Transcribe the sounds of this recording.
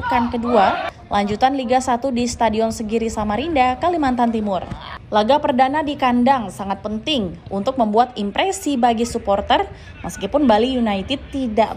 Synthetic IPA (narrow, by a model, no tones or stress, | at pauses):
kankədua | lʔaɲd͡ʒut̪anliɡasat̪udist̪adiɔnsəɡiɾisamaɾindakalimant̪ant̪imʊrlaɡapərdanadikandaŋsaŋat̪̚pənt̪ɪŋʔunt̪ʊk̚məmbuat̪impɾesibaɡisupɔrt̪ər | mʔəskipʊnbalijunait̪it̪ːida